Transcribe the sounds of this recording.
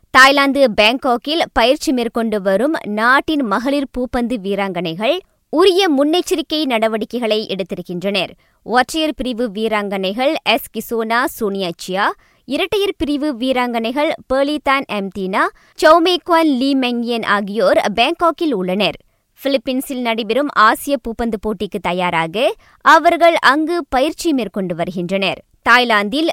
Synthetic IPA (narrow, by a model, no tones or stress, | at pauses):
t̪aːjlaːnd̪ɯbeːŋkoːkɪlpɐjɪɾt͡ʃːimeːɾkɔɳɖɯʋɐɾɯmnaːʈːɪnmɐɣɐɭɪɾpuːpːɐnd̪ɯʋiːɾaːŋɡɐnɐɪɣɐɭ | ʊɾɪjɐmʊnːɐɪt͡ʃːɪɾɪkːɐɪnɐɽɐʋɐɽɪkːɐɪɣɐɭɐɪʔɛ̰ɽɯt̪ːɪɾɯkːɪndrɐnɐɾ | ʔoːʈrɐjɐɾpɪɾɪʋɯʋiːɾaːŋɡɐnɐɪɣɐɭɛskɪsoːnaːsuːnɪjaːt͡ʃːɪjaː | ɪɾɐʈːɐjɐɾpɪɾɪʋɯʋiːɾaːŋɡɐnɐɪɣɐɭpeːlit̪aːnɛmt̪iːnaː | t͡ʃɐʊmeːkoaːnliːmɛŋɡɪjɐnʔa̰ːɣɪjoːɾbeːŋkoːkɪlʊɭːɐnɐɾ | fɪlɪpːiːnsɪlnɐɽɪbɪɾɯmaːsɪjɐpuːpːɐnd̪ɯpoːʈːɪkːɯt̪ːɐjaːɾaːɣɐ | ɐʋɐɾɣɐɭʔɐŋɡɯpɐjɪɾt͡ʃːimeːrkɔɳɖɯʋɐɾɯɣɪndrɐnɐɾ | t̪aːjlaːnd̪ɪl